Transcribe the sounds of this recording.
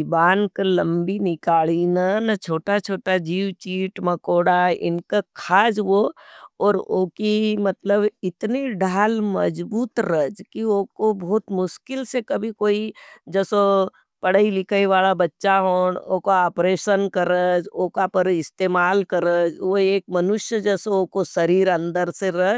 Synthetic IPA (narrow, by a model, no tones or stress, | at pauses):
baːnkəlɐ̃mbinɪkaːɭinɐnɐt͡ʃʰoːʈat͡ʃʰoːʈad͡ʒiːwt͡ʃiːʈmɐkoːɽaɪ̰nkakʰaːd͡ʒʋoɔːɾoːkimɐt̪ləbɪt̪niɖʱaːlmɐ̰d͡ʒbuːt̪ɾəd͡ʒkiokobɔːt̪mʊʃkɪlsekɐbʱikoːid͡ʒɛːso | pɐɽ̤əilɪkʰəiʋaːlabɐtːʃaɦoːɳoːkoaːpɾeːʃənkɐɾəd͡ʒoːkapɐɾɪst̪eːmaːlkɐɾəd͡ʒʋoeːk̚mɐnʊʃjəd͡ʒɛːsooːkosɐɾiːɾɐ̃nd̪əɾseɾɐɦ